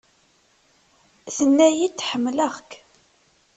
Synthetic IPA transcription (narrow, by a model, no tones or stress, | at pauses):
θənːæjit͡sːħəmːləʁk